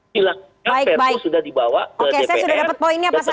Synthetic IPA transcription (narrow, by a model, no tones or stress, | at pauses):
ila | abaɪkpɛbauɪksudahdibawakoəkeesajasudahdapət̪̚poinɲapas̬a